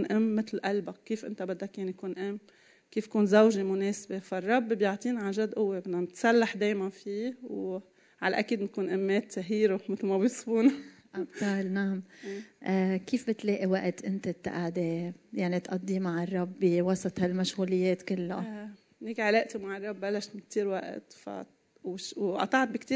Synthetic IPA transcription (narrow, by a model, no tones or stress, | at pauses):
nʔɪmːɪt̪lʔalbaːiːfʔɪ̰nt̪abɪd̪ːakjanjkuːnʔɪmː | kiːfkuːnzawʒemʊneːsabefirˤːɑbːbjɑʕt̪ˤiːnʕaʒad̪ːʔʊwːebɪnːamt̪salːaħd̪eːjmanfiːw | ʕalʔakiːd̪nkuːnʔɪmːeːt̪ːaɦiːɾomɪt̪lmabjɪsˤbuːna | ʔabt̪aːlnaʕmʔkiːfbɪt̪leːʔiwaʔt̪ʔɪnt̪at̪ːaʔaʕd̪ejaʕnit̪ʔɑd̪ˤːimaʕɪrˤːɑbːiwɑsˤɑt̪ˤhalmaʃɣuːlɪjːeːt̪kɪlːa | neːkʕaleːʔt̪umaʕɪrˤːɑbːalːaʃt̪mɪnkt̪iːɾwa̰ʔt̪fa̰ | wʃwʔɑ̰t̪ˤɑʕt̪̚bɪkt̪iː